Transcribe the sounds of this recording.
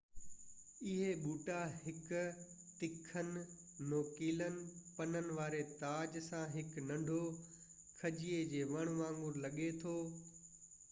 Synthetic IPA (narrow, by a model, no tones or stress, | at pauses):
ɪɦeɓuːʈahɪkt̪ɪkʰənɪ | noːkiːlənɪ̆pɐnənɪ̆ʋaːɾet̪aːd͡ʑsãɦɪknɐ̃ɳɖʱo | kʰɐʄied͡ʑeːʋɐɽ̃ʋãːŋɡʊɾlɐɠet̪ʰoː